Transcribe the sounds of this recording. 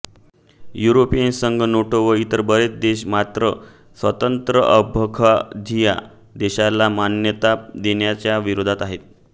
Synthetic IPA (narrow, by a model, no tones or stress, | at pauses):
juɾopijənsəŋɡənoʈoʋəit̪əɾbəɾet͡sd̪eɕmat̪ɾə | sʋət̪ənt̪ɾəʔəbʱəkʰad͡ʑʱija̰ | d̪eɕalamanjət̪ad̪eɳjat͡ɕjaʋiɾod̪ʱat̪aɦet̪̚